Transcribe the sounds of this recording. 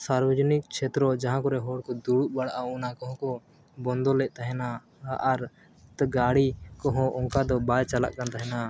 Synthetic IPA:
saɾbɔd͡ʒɔnik̚kt͡ʃʰɛt̪ɾɔd͡ʒaɦãkɔɾɛɦɔɽkɔd̪uɽuʔ̚baɽʔaɔnakɔɦɔ̃kɔ | bɔnd̪ɔlɛʔ̚ˀt̪aɦɛnaː | ɾ | t̪ɡaɽikɔɦɔ̃ʔɔŋkad̪ɔbajt͡ʃala̰ʔkant̪aɦɛna

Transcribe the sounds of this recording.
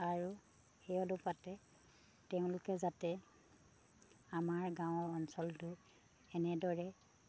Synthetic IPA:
aɹu | xɛjɔlʊpatɛ | tɛʊ̃lʊkɛzatɛ | amaɹɡãw̃ɔɹɔnsɔltʊ | ɛnɛdɔɹɛ

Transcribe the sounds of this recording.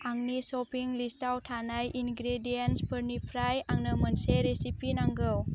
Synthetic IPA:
aŋnisopiŋlistawtʰanajʔinɡɾedijenspʰəɾnipʰɾajaŋnəmɐnseɾesipinaŋɡɯw

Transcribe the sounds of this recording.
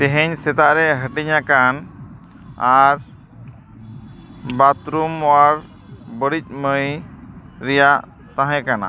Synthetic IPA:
t̪ɛɦɛɲsɛt̪aʔɾɛɦəʈɛɲakan | aɾ | bat̪ɾumaɾ | bəɽic̚ˀməj | ɾɛjaʔ | t̪ãɦɛ̃kana̰

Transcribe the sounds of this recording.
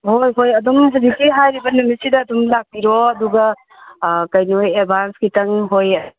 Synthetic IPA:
ɦojɦojɐdumsɐbikiɦajɾibɐnɐmisidɐːdumlak̚piɾɔɐduɡɐ | kɐjnojebʱanskitɐŋɦojɐ

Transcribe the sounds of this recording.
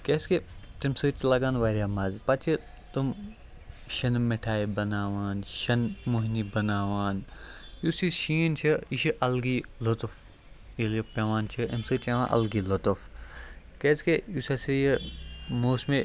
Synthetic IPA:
keːsket̪imsɨːt͡ʃlɐɡaːnʋaːɾʲaːmɐzpɐt͡ʃʰi | t̪um | ʃɐnmeʈʰaːibɐnaːʋaːnʃɐnmoɦnibɐnaːʋaːnjusiʃiːnt͡ʃʰiiʃiʔɐlɡilot̪uf | ilipʲɐʋaːnt͡ʃʰiḭmsɨːt͡ʃɐʋãːʔɐ̰lɡilot̪of | keːskeusɐsijimoːsme

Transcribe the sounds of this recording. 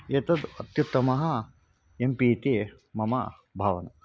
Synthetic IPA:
et̪ɐd̪ɐt̪jut̪ːɐmɐɦɐ | empiːt̪e | mɐmɐ̰ | bʱaːʋɐnɐ

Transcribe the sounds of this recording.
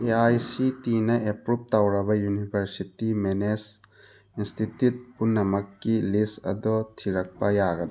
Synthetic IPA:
eajsitinɐʔepɾup̚tawɾɐbɐjunibʱɐɾsitimenes | instʰitjut̚punːɐmɐkːilistɐ̰d̪ɔtʰiɾɐk̚pɐjaɡɐd̪

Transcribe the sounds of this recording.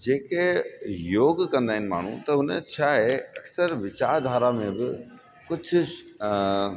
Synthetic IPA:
d͡ʒeːkejoːɡkɐ̃nd̪aːɦɪn̆ma̰ːɳ̤ṵ̃t̪ɐʊnḛ̃t͡ʃʰaɦeɐksəɾʋɪt͡ʃaːɾd̪ʱaːɾamẽbɪ | kʊt͡ʃʰ

